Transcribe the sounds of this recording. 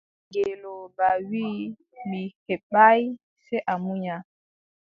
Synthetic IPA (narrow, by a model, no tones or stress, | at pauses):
ɡelobawi | mihɛɓaj | sɛʔamuɲa